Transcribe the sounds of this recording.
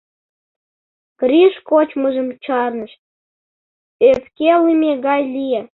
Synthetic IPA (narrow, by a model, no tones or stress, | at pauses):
krʲiʃkot͡ɕməʒə̆mt͡ɕɑrnəʃ | eskelimʲeɣɑjlʲije